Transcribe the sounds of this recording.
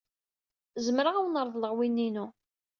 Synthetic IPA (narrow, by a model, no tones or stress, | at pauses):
zəmɾaʁawnəɾˤðˤləʁwinːinu